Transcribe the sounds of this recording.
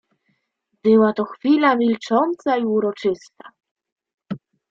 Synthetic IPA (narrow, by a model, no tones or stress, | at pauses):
bɘwat̪ɔxfʲilamʲilt͡ʂɔnt̪saiuɾɔt͡ʂɘst̪a̰